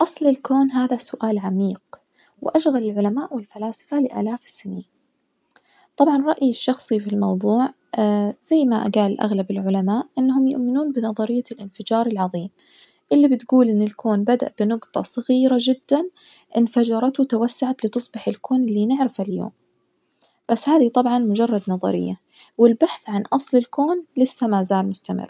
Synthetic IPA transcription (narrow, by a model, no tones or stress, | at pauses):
ʔɑsˤlɪlkoːnɦaːðasʊʔaːlʕamiːq | wɪʔaʃɣalɪlʕʊlamaːʔwɪlfalaːsɪ̥falɪʔa̰ːlaːfsɪniːn | t̪ˤɑbʕɑnɾˤɑʔjɪʃːɑxsˤifilmɑwðˤuːʕ | z̥ajːmaʔa̰ɡaːlʔa̰ɣlabɪlʕʊlamaːʔʔɪnːahʊmjʊ̰ʔmɪnuːnbɪnɑðˤɑɾɪjːalʔɪnfɪd͡ʒɑːɾˤɪlʕɑðˤiːm | ʔɪlːibɪt̪ɡuːlʔɪnːɪlkʰoːnbad̪a̰ʔb̥ɪnʊɡt̪ˤɑ̰sˤɑɣiːɾad͡ʒɪd̪ːan | ʔɪnfad͡ʒɑɾˤɑt̪wt̪awasːaʕat̪lɪt̪ɨsˤbɪħɪlkʰoːnɪlːinɪʕɾɪfaljo̰ːm | b̥asːhaːðit̪ˤɑbʕɑnmʊd͡ʒɑrˤːɑd̪nɑðˤɑ̰ɾɪ̰jːa | wɪlbaħθʕanʔɑsˤlɪlkoːnlɪsːamazaːlmʊst̪amɪ̰rˤː